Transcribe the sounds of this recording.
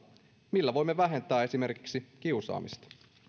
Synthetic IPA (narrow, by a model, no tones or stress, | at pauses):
milːæʋo̞jmːeʋæɦe̞nt̪æːe̞sime̞rki̥ksikiusɑ̰ːmḭst̪ɑ̥